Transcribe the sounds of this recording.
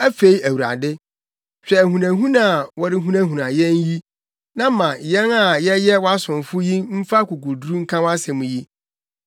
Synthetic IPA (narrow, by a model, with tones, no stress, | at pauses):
æ˦fe˦i˦æ˨wu˨ɾa̰˨dɪ˦ | ɕᶣɛ˨æ˨ɦũ˨nã˨ɦũ˦nã˨wɔ˦ɾɪ˦ɦũ˦næ̃˦ɦũ˨nã˨jɛ̃˦n˦ji˦ | nã˦mã˨jɛ˦na˨jɛ˦jɛ˦wɔ˦a˦sʊ̃˨n˨fʊ˦jĩ˦m̩˦fa˦kʊ˨ku˨dɾu˦ŋ̩˦kʰã˦wa˦sɛ̃˨mũ˨ji˦